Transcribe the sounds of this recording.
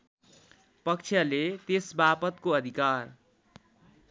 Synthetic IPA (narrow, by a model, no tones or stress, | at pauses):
pʌk̚t͡ʃʰjalet̪esbapʌt̪koʌd̪ʱikar